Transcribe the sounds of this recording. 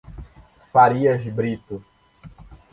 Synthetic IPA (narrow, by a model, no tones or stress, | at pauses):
faɾiɐʒibɾit̪u